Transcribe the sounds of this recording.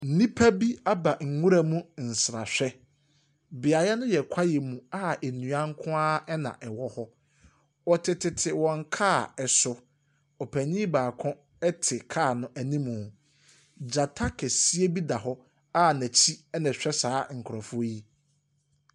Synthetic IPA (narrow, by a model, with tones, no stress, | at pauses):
n̩˨˦nĩ˦pʰæ˦bi˦a˦ba˨ŋ̩˨ŋũ˦ɾa˨mũ˦n̩˨sɾa̰˨ɕᶣɛ˦ | bɪ˨a˨jɛ˦nʊ̃˦jɛ˨kʷʰa˦jɛ˨mũ˨a˦e˨nũ˨ã˦ŋ˦kʰʊ̃˦aː˦ɛ˦nã̰˨ʔɛ˨wɔ˦hɔ˦ | ɔ˨tʰɪ˨tʰɪ˨tʰɪ˨wɔ̃˨ŋ˦kʰaː˦˨ɛ˨sʊ˦ | ɔ˨pʰæ˨ɲĩ˦baː˨kʰɔ̃˦ | ɛ˦tʰɪ˨kʰaː˦˨nʊ̃˦ʔæ˨nĩ˦mũ˨ | d͡ʑa˨tʰa˦kʰɛ˨si˦e˦bi˦da˨ɦɔ˦ | a˦næ̃˨t͡ɕʰi˦ɛ˦nã˨ɕᶣɛ˦saː˨˦ŋ̩˨kʰʊ˨ɾɔ̃˨fʊ˦ji˦